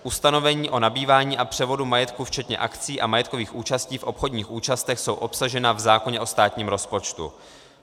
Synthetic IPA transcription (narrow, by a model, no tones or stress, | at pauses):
ʔust̪ano̞vɛɲiːʔo̞nabiːvaːɲiːʔapr̝̥ɛvo̞dumajɛt̪kuft͡ʃɛt̪ɲɛ̰ʔakt͡siːʔamajɛt̪ko̞viːxʔuːt͡ʃasciːfʔo̞pxo̞dɲiːxʔuːt͡ʃast̪ɛxso̞wʔo̞psaʒɛnavzaːko̞ɲɛʔo̞st̪aːt̪ɲiːmɾo̞spo̞t͡ʃt̪ṵ